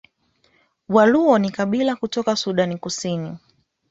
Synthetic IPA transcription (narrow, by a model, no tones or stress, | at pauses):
waluɔnikaɓilakutɔkasuɗanikusini